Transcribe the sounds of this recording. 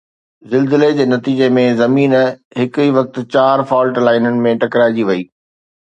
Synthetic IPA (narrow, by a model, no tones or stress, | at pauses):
zɪlzɪled͡ʑeːnɐt̪iːd͡ʑemẽzɐmiːnɦɪkʊiːʋɐk̚t̪̆t͡ɕaːɾfɔːlʈlaːɪnənɪ̆mẽʈɐkɾaːɪd͡ʑiʋɐiː